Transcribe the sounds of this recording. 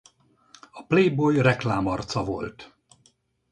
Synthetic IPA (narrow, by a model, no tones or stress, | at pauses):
ɒpleːjbojrɛklaːmɒrt̪sɒvo̞̰lt̪